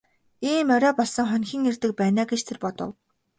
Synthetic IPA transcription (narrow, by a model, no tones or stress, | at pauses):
iːmœɾʲœːpɔɮsɞ̆ŋχœnʲxʲiːŋert̪ɘ̆k̚pæːnaːɡet͡ɕt̪ʰerpɔt̪ɞ̰̆w